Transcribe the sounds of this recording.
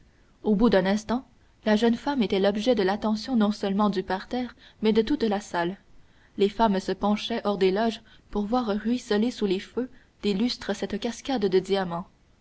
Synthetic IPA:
obud̪ɛ̃nɛ̃st̪ɑ̃ | laʒœnfamet̪ɛlɔbʒɛd̪əlat̪ɑ̃sjɔ̃nɔ̃sœlmɑ̃d̪ypaʁt̪ɛːʁmɛd̪ət̪ut̪lasal | lefamsəpɑ̃ʃɛʔɔʁd̪elɔʒ | puʁvwaːʁʁɥisəlesulefø | d̪̥elyst̪χəsɛt̪kʲaskʲad̪ːəd̪iamɑ̃

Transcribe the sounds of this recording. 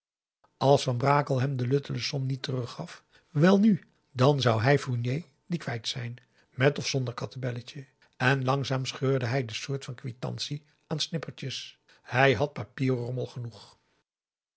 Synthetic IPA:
ɑlˠsfɑnbraːkəlˠɦɛmdəlɵtələsɔnnitərɵχːɑf | ʋɛlˠny | dɑnzɑwɦɛjfuɹnjej | dikʋɛjtsɛjn | mɛtɔfsɔndəɹkɑtabɛləcə | ɛnlɑŋzaːmsχøːɹdəɦɛjdəsʊːɹtfɑnkʋitɑ̰nsi | ʔaːnsnɪpəɹt͡ʃəs | hɛjɦɑt̚papiːrrɔməlˠχənuχ

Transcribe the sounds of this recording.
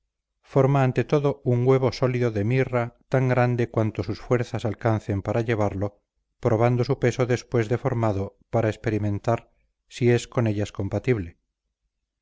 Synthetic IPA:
fo̞ɾmaːnt̪e̞t̪o̞ðo̞uŋɡwe̞β̞o̞so̞liðoðe̞mirat̪aŋɡɾand̪e̞kwant̪o̞susfwe̞ɾθasalkanθe̞mpaɾaʎe̞β̞aɾlo̞ | pɾo̞β̞and̪o̞supe̞so̞ðe̞spwe̞zðe̞fo̞ɾmaðo̞paɾaespe̞ɾimẽ̞nt̪aɾ | sie̞sko̞ne̞ʎasko̞mpat̪iβle̞

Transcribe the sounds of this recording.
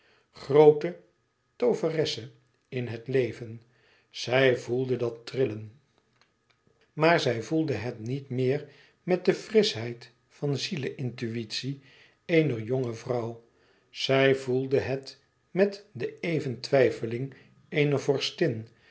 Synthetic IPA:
χrowtə | towvərɛsə | ɪnɦətlejvən | z̥ɛjvulˠdədɑtrɪlən | maːɹzɛjvulˠdəɦɛtnitmɪːɹ | mɛt̚dəfrɪsɦɛjt | fɑnziləʔɪntyitsi | ejnəɹjoŋəvrʌw | z̥ɛjvulˠdəɦɛt | mɛtdəejvəntʋɛjfəlɪŋ | ejnəvɔɹstɪn

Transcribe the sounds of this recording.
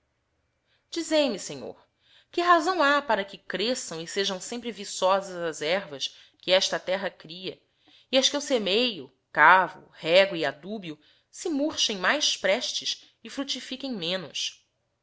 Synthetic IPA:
d͡ʒizejmɪsẽɲo̰ɾ | kɪɦazɐ̃w̃apaɾɐkɪkɾesɐ̃w̃ɪseʒɐ̃w̃sẽmpɾɪvisɔzɐzɐzɛɾvɐs | kɪɛʃt̪ɐt̪ɛɦɐkɾiɐ̰ | iɐʃkɪusemejʊ | kavʊ̰hɛɡʊiad̪ubiʊ | sɪmuɾʃẽj̃majspɾɛʃt͡ʃɪs | ɪfɾut͡ʃifikẽj̃mẽnʊ̰s

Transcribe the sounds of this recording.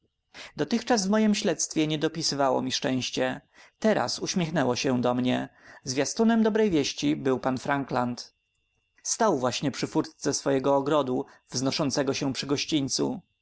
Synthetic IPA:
d̪ɔt̪ɘxt͡ʂasvmɔjimɕlɛt̪st̪fʲjɛɲɛd̪ɔpʲisɘvawɔ̰mʲiʂt͡ʂɛ̃w̃ɕt͡ɕɛ | t̪ɛɾa̰suɕmʲjɛxnɛwɔɕɛd̪ɔmɲɛzvʲjast̪unɛmd̪ɔbɾɛjvʲjeɕt͡ɕibɘwpanfɾaŋklant̪ | st̪awvwaɕɲɛpʂɘfuɾt̪sɛsfɔjɛɡɔːɡɾɔd̪u | vznɔʂɔnt̪sɛɡɔɕɛpʂɘɡɔɕt͡ɕiɲt̪sṵ

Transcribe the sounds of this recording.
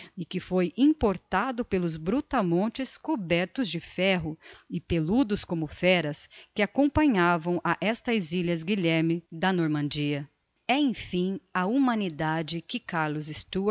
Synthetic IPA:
ɪkɪfojĩpoɾt̪ad̪ʊpelʊzbɾut̪ɐmõt͡ʃɪskobɛɾt̪ʊzd͡ʒɪfɛɦʊɪpelud̪ʊskõmʊfɛɾɐskɪakõpɐ̃ɲavɐ̃w̃ʔɐʔɛst̪ɐziʎɐzɡiʎɛɾmɪd̪ɐnoɾmɐ̃d͡ʒiɐ | ɛẽfĩɐumɐ̃nid̪ad͡ʒɪkɪkaɾlʊzɪst̪u

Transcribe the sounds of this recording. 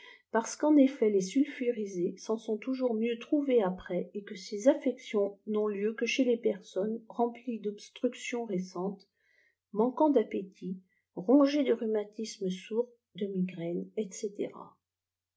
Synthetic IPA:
paʁsə̥kɑ̃nefɛlesylfyʁizesɑ̃sɔ̃t̪uʒuʁmjøt̪χuveapχɛekəsezafɛksjɔ̃nɔ̃ljøkəʃelepɛʁsɔnʁɑ̃plid̪ɔbst̪χyksjɔ̃ʁesɑ̃t̪ | mɑ̃kɑ̃d̪apet̪ʰi | ʁɔ̃ʒed̪əʁymat̪isməsuʁ | d̪əmiɡʁɛnɛt̪set̪ḛʁa̰

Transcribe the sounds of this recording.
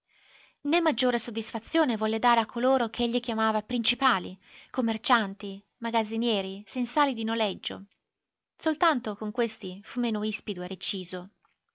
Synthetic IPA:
nemːad͡ʒːoːɾesod̪ːisfat̪sːjoːnevɔlːed̪aːɾeakʰːoloːɾokʰeeʎːikjamaːvapɾint͡ʃipaːlikomːert͡ʃant̪i | maɡad̪zːinjɛːɾisensaːlid̪inolɛd͡ʒːo̰ | solt̪ant̪okoŋkwest̪ifumːeːnoispid̪ueɾet͡ʃiːzo

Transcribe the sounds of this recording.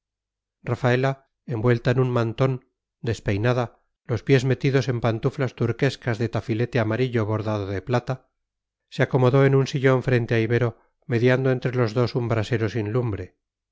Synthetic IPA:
rafae̞la | e̞mbwe̞lt̪aenunmant̪o̞n | d̪e̞spe̞jnaða | lo̞spje̞zme̞t̪iðo̞se̞mpant̪uflast̪uɾke̞skazðe̞t̪afile̞t̪e̞amaɾiʎo̞β̞o̞ɾðaðoðe̞plat̪a | seako̞mo̞ðo̞enunsiʎo̞ɱfɾe̞nt̪e̞aiβe̞ɾo | me̞ðjand̪oe̞nt̪ɾe̞lo̞zðo̞sumbɾase̞ɾo̞sinlumbɾe̞

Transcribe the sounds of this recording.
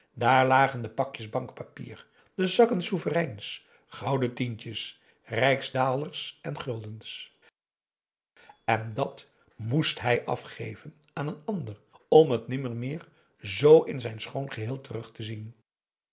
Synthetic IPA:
daːɹlaːχəndəpɑkjəzbɑŋkpapḭːɹ | dəzɑkənsuvərɛjns | χɑwdətintəs | rɛjkzdaːlˠərsɛnχɵlˠdəns | ɛndɑt | mustɦɛjʔɑ̰fχejvən | aːnənɑndərɔmɦətnɪməɹmɪːɹ | zowɪnzɛjnsχownχəɦɪːlˠtərɵχtəzin

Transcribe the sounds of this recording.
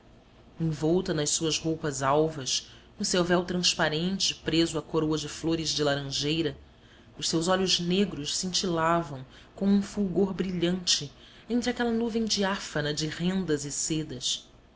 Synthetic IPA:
ẽŋ̃vɔwt̪ɐnɐʃssuɐshowpɐzawvɐs | nʊsewvɛwt̪ɾɐ̃spaɾẽnt͡ʃɪpɾezʊɐkoɾowɐd͡ʒɪfloɾɪzd͡ʒɪlaɾɐ̃ʒejɾɐ | ʊʃsewzɔʎʊʒneɡɾʊʃsĩnt͡ʃilavɐ̃w̃ | kõw̃ũfuwɡoɾbɾiʎɐ̃nt͡ʃɪ | ẽnt̪ɾakɛlɐnuvẽj̃d͡ʒiafɐnɐd͡ʒɪhẽnd̪ɐzɪsed̪ɐs

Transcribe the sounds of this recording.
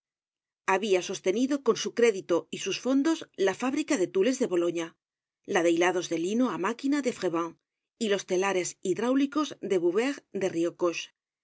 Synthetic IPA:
aβiaso̞st̪e̞niðo̞ko̞nsukɾe̞ðit̪o̞isusfo̞nd̪o̞zlafaβɾikaðe̞t̪ule̞zðe̞βo̞lo̞ɲa | laðe̞jlaðo̞zðe̞linoamakinaðe̞fɣe̞βaŋ | ilo̞st̪e̞laɾe̞siðɾawliko̞zd̪e̞βuβeɣd̪e̞riokoʃ

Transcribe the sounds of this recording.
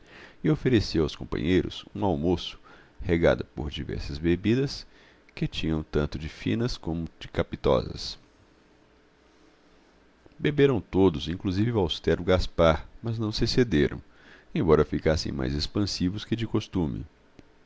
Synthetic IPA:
ɪofeɾesiwawskõ̰mpɐ̰̃ɲejɾʊ̰sũawmosʊ̥ | heɡa̰d̪ʊpo̰ɾd͡ʒivɛ̰ɾsɐzbebid̪ɐs | kɪt͡ʃĩɲɐ̃w̃t̪ɐ̃nt̪ʊd͡ʒɪfḭ̃nɐskõmʊd͡ʒɪkapit̪ɔ̰zɐ̰s | bebeɾɐ̃w̃t̪od̪ʊzĩkluzivɪvawst̪ɛɾʊɡaspaɾmɐznɐ̃w̃sɪsed̪eɾɐ̰̃w̃ | ẽbɔɾɐfikasḛ̃j̃ma̰jzespɐ̃sivʊskɪd͡ʒɪkost̪ũmɪ̰

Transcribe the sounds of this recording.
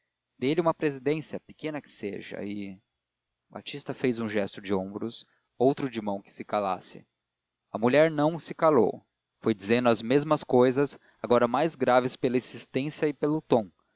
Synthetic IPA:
d̪ejliũmɐpɾezid̪ẽsjɐpɪ̥kẽnɐkɪ̥sḛʒɐ̰ɪ | ba̰t͡ʃist̪ɐfejzũʒɛst̪ʊd͡ʒɪõbɾʊs | owt̪ɾʊd͡ʒɪmɐ̃w̃kɪ̥sɪkala̰sɪ̥̰ | ɐmuʎɛɾnɐ̃w̃sɪkalo̰w | fojd͡ʒizẽnd̪ʊɐzmezmɐskojzɐs | aɡɔɾɐmajzɡɾavɪspelɐizist̪ẽsjɐɪpelʊt̪õw̃

